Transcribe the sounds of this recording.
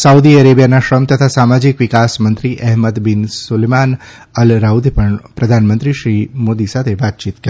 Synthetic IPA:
saud̪iəɾebijanaʃɾəmt̪ət̪ʰasamad͡ʒikʋɪkasmənt̪ɾiʔɛɦməd̪binsuleman | əlɾaud̪ʱpəɳpɾəd̪ʱanmənt̪ɾiʃɾimod̪isat̪ʰeʋat̪̚t͡ʃit̪kə

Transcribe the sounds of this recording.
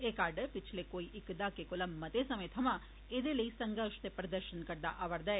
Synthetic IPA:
ekaːɾɖɐpit͡ʃʰlekoːjiʔikːɐd̪aːkekolɐmːɐt̪eːsɐmejt̪ʰɐma | ed̪elesɐŋɡaːʂt̪epɾɐd̪ɐɾʃɐnkɐɽd̪aʔɐʋɐɾd̪ɐ

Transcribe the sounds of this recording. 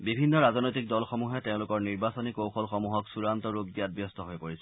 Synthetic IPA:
bibʱinːɔɹaznojtik̚dɔlxɔmuɦɛteʊ̃lʊkɔɹniɹbasɔnikowxɔlxɔmuɦɔksuɹantɔɹub̚ɡijad̚bjɔstɔɦojpoɹisɛ

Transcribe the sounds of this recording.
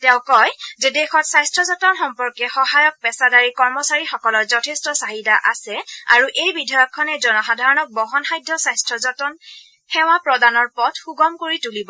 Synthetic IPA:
tɛʊ̃kɔjzɛdexɔtsajstʰɹɔzɔtɔnxɔmpɔɹkɛxɔɦajɔk̚pɛsadaɹikɔɹmɔsaɹixɔkɔlɔɹzɔtʰestɔsaɦidaʔasɛa̰ɹuʔejbidʱɔjɔkʰːɔnɛzɔnɔxadʱaɹɔnɔk̚bɔɦɔnxajdʱːɔsajstʰɹɔzɔtɔn | hɛwapɹɔdanɔɹpɔtʰxuɡɔmkoɹitulibɔ

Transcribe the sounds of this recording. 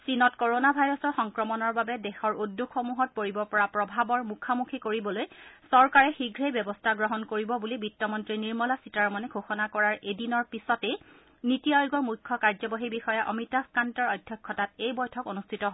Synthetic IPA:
sinɔtkoɹonabʱajɹɔsɔxɔŋkɹɔmɔnɔɹbabɛdɛxɔɹudːukxomuɦɔt̚poɹibɔpɔɹapɹɔbʱabɔɹmukʰamukʰikoɹibɔlojsɔɹkaɹɛxiɡʱɹejbjɛbɔstʰaɡɹɔɦɔnkoɹibɔbulibitːɔmɔntɹiniɹmɔlasitaɹmɔnɛɡʱoxɔnakɔɹaɹedinɔɹpisɔtɛ | nitiajoɡɔɹmujkʰːɔkaɹzɔbɔɦibixɔjaʔɔmitaskantɔɹɔjdʱjɔkʰːɔtatejbɔjtʰɔkonustʰitɔɦ

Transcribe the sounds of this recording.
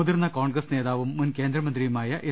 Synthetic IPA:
uðirnːɐkoːɳɡɾɐsne̞ːðaːʋumːunke̞ːnd̪ɾɐmɐnd̪rijumaːjɐʔe

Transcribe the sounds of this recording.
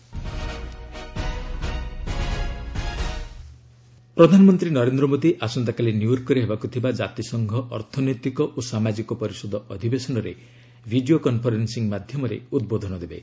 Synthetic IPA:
pɾɔd̪ʱanɔmɔnt̪ɾinɔɾend̪ɾɔmod̪iʔasɔnt̪akalenijuɾkɔɾeɦebakut̪ʰibad͡ʒat̪isɔŋɡʱɔʔɔɾt̪ʰɔnɔjt̪ikɔʔosamad͡ʒikɔpɔɾisɔd̪ɔɔd̪ʱibesɔnɔɾḛ | bʱiɖiokɔnpʰɔɾensiŋmad̪ʱjɔmɔɾḛud̪bod̪ʱɔnɔd̪ebḛ

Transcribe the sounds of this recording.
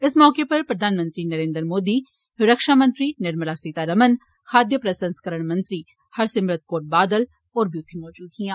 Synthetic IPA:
ɪsmɔːkepɐɾpɾɐd̪ʱaːnmə̃nt̪ɾinəɾẽːnd̪əɾmoːd̪i | ɪɾəkʃaːmə̃nt̪ɾinɪɾməlasiːt̪aːɾɐmən | xʰaːd̪jəpɾəsə̃nskəɾəɳ̃mɐ̃nt̪ɾi | hɐɾsɪmɾət̪̚koːʈ̚baːd̪əl | ɔːɾbjuːt̪ʰːimɔːd͡ʒuːd̪ɡijãː

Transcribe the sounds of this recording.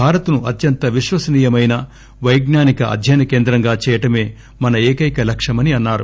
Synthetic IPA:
bʱaːɾɐt̪unuʔɐt̪jɐnt̪ɐʋiʃʋɐsɐniːjɐmɐjnɐ | ʋɐjɡnaːnikɐʔɐ̰d̪ʱjɐjnɐkeːnd̪ɾɐŋɡaːt͡ʃɛːjɐʈɐme̞ː | mɐnɐeːkɐjkɐlɐkʂɐmɐniɐnːaːɾu

